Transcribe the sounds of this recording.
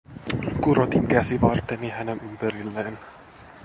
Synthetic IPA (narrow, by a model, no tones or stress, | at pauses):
kuɾot̪iŋkæsiʋɑrt̪ːenihænenympeɾilːeːn